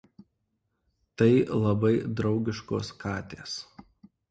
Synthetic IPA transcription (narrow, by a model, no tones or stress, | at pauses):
t̪ɐɪlˠɐbɐɪd̪ɾɒʊɡʲɪʃko̰ːskɑːt̪ʲḛːs